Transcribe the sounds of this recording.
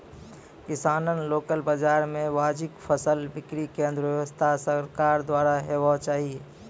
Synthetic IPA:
kɪsaːnənloːkəlbəd͡ʒaːɾmẽʋaːd͡ʒɪkpʰəsəlbɪkɾikẽːnd̪ɾəʋɛʋəst̪ʰasəɾkaːɾd̪waːɾaɦewat͡ʃaːɦieː

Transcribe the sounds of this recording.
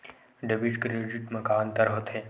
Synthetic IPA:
ɖebiʈkɾed͡ʒiʈmɐkaːnt̪ɐɾɦot̪ʰe

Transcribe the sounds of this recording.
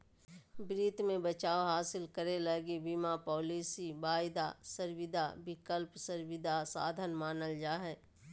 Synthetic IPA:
bɾiːt̪mẽbət͡ʃaːoɦaːsɪlkəɾeləɡibimapɔːliːsibaːɪd̪asəɾwɪd̪ʱabɪkəlpsəɾwɪd̪ʱasa̰ːd̪ʱənmaːnəld͡ʒaːɦɛː

